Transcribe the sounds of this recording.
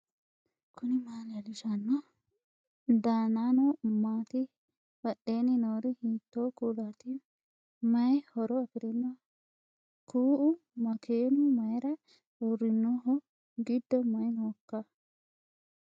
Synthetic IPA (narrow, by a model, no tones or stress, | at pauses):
kʰʊnɪmaːlɐlɪʃɐnːɔ | d̪aːnaːnɔmaːt̪ɪ | bɐɗe̞ːnɪnoːɾɪhiːt̪ːoːkuːlat̪ɪ | mɐjhɔɾɔɐpɪɾɪnːɐ | kʰuːʔʊmɐkʰeːnʊmɐjɾɐ | uɾːɪnːuɦɔ | ɡɪd̪ːɔmɐjnoːkːɐ